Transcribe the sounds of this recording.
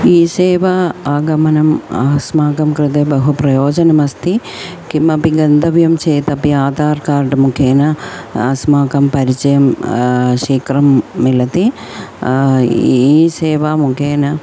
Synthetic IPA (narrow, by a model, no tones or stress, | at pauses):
iːseːʋɐaːɡɐmɐnɐma̰ːsmaːkɐmkɾɪt̪̬ebɐɦupɾɐjoːd͡ʒɐnɐmɐst̪i | kimɐpiɡɐnd̪ʱɐʋjɐmt͡ʃeːt̪ɐpiaːt̪aːɾkaːɾɖmukʰeːnɐɐ̰smaːkɐmpɐɾit͡ʃɐjɐm | ʃiːkɾɐmːilɐt̪i | iːseːʋamukʰeːnɐ